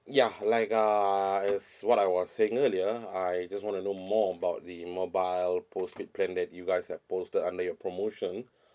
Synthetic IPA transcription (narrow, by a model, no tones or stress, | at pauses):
jalaɪkaɛswɔtajwɔsːeɪ̃ŋəliəajd͡ʒaswɔ̃ntunomɔəbaʊt̚dimobaɪlpʰosfit̚plɛ̃ndɛt̚juɡajshɛvpostədãndəjɔpʰɹomoʃɔ̃n